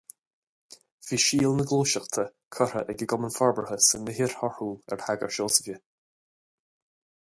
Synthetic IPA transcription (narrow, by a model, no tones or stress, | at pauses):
v̥iːʃiːlˠnəɡlˠuːʃaxt̪ʰəkʰɔɾəʔɛɡəɡɔmənfɔɹbɹəhəsənɪɦɪɹhɔhuːlɛ̰ɹhaɡə̰ɹʃoːsəvjə